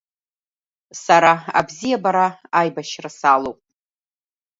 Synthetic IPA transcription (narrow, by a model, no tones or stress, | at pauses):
saɾaa̰bzijabaɾaajbaʃrasalowpʼ